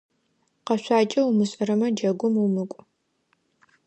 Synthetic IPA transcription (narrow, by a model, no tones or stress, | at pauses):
qɐɕʷaːt͡ʃʼɐwumɨɕʼɐɾɐmɐd͡ʒɐɡʷʊmumɨkʷʼ